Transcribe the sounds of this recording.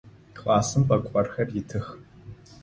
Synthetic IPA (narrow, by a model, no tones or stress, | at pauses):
kʼlaːsɨmpʼɐkʷʼɔrxɐrjɪtʰɨx